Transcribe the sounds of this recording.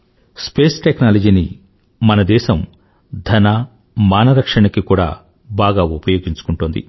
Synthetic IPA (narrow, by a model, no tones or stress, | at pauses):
speːsʈeknaːlɐd͡ʒiːni | mɐnɐd̪ɛːʃɐm | d̪ʱɐnaː | maːnɐɾɐkʂɐɳɐkikuːɽa̰ː | baːɡaːupɐjo̞ːɡiɲt͡ʃu̥kuɳʈuːnd̪ḭ